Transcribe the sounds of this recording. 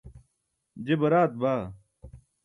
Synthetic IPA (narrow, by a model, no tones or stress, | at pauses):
d͡ʑebɐɾaːt̪̚baː